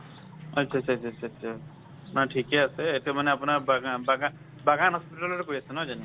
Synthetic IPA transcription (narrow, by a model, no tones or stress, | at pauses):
ʌtːʃʰatːʃʰtt͡ʃʰaaːtːsʰa | apnaʈʰikɛasɛetemaneapnaɹbaɡbaɡa | baɡanɦɔspiʈalɔɛkoɹiasɛnad͡ʒani